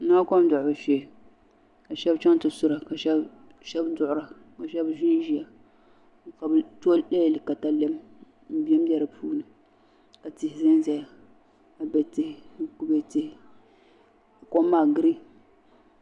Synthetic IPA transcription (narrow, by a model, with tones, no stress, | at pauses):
na˦kɔ˦m˦dʊ˨ʔʊ˨bɨ˨ʃe˨ | ka˨ʃɛ˦bt͡ʃɛ˦ŋtɨ˨sʊ˦ɾa˨ka˨ʃɛ˦ | ʃɛ˦bdʊ˦ʔʊ˦ɾa˨ | ka˨ʃɛ˦bʒi˦n˦ʒi˦ja˨ | ka˨bto˦lɛ˦jlɨ˨ka˨ta˦lɛ˦m | m̩˦bi˦ɛ˦m˦dɛ˦ɾɨ˨pʰuː˦nɨ˨ | ka˨tɪ˨hɪ˨zɪ˦n˦zɛ˨ja˨ | a˨bɛ˨te˦˨˦ku˦bɛ˦te˦˨ | a˨kɔ˦mːaː˦˨ɡɨ˦ɾi˦